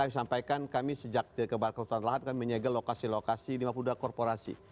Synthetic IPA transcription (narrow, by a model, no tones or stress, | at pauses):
kamisampajkankamisəd͡ʒak̚dəkəbaat̪̚kəut̪anlaɦat̪̚kamiməɲaɡalokasilokasilimapudakɔrpoɾasḭ